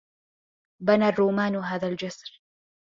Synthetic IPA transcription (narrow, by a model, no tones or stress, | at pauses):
banarːuːmaːnɦaːðald͡ʒasɾ